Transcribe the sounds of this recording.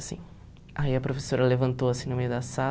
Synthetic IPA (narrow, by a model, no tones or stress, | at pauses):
sḭ̃ | aiɐpɾofe̥soɾɐlevɐ̃nt̪owasĩnʊmejʊd̪ɐsa